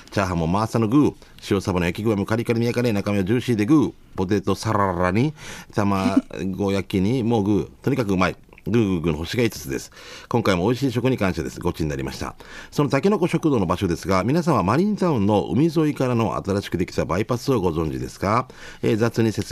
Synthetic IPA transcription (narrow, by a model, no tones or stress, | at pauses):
t͡ɕaːɦamo̞maːsanoɡɯ̟ː | ɕio̞sabanojakʲiɡɯ̟amokaɾʲikaɾemʲijakaɾenakamʲeod͡ʑɨːɕiːd̪e̞ɡɯ̟ː | po̞t̪̬e̞t̪o̞saɾaɾaɲ̟it̪amaɡo̞jakʲiɲ̟imo̞ːɡɯ̟ːt̪o̞ɲ̟ikakɯ̟ɯmai | ɡɯ̟ːɡɯ̟ːɡɯ̟ːnoɦoɕiɡait͡sɨ̥t͡sɨd̪e̞̰sɨ̥kõ̞ŋkaimo̞ːiɕ̬iːɕ̬o̞kɯ̟ɲ̟ikãɕt̪ad̪e̞sɨ̥ɡo̞t͡ɕiɲ̟inaɾima̰ɕi̥t̪a̰so̞no̞t̪akʲino̞ko̞ɕo̞kɯd̪o̞ːno̞baɕo̞d̪e̞sɨɡamʲinas̬ãɰ̃βamaɾʲĩnt̪aɯ̟̃nːo̞ʔɯ̰mʲizo̞ikaɾano̞ʔa̰t̪aɾaɕi̥kɯ̟d̪e̞kʲi̥t̪abaipasɨoɡo̞zõ̞ɲ̟d͡ʑid̪e̞̰sɨ̥ɡa | eːzat͡sɨɲ̟ise̞